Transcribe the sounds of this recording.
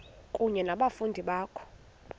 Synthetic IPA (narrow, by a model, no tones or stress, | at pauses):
kʼuɲɛnaɓafundʱiɓaːkʰɔ̥